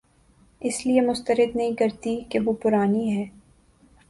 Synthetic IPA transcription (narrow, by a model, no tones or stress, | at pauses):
ɪsliemʊst̪əɾɪd̪nɐɦĩkɐɾt̪ikeʋopʊɾaːniɦɛː